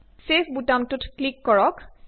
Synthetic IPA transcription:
sepʰbutamtutklikːɔɹɔk

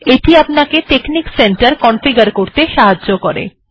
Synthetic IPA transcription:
eʈiapnaket̪eknikseɳʈaɾkɔnfiɡaɾkoɾt̪eʃaɦadːokɔɾḛ

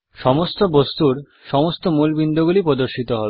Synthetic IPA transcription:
ʃɔmost̪obost̪uɾ | ʃɔmost̪omulbind̪oɡulipɾod̪oɾʃit̪oɦɔbe

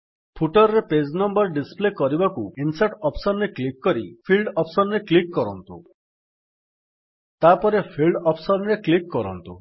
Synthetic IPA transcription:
pʰuʈɔɾɾeped͡ʒnɔmbɔɾɖisplekɔɾibakuinsaʈɔpʰsɔnɾeklikːɔɾipʰilɖɔpʰsɔnɾeklikːɔɾɔnt̪ṵ | t̪apɔɾepʰilɖɔpʰsɔnɾeklikːɔɾɔ̰nt̪ṵ

